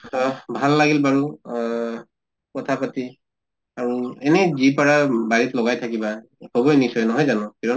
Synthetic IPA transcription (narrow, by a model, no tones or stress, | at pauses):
bʱalːaɡilbaɹu | kɔtʰapati | aɹuɛnɛzipaɹabaɹitlɔɡajtʰakiba | hɔbɔjnisɔjnɔɦɔjzanɔ̃kiɹɔ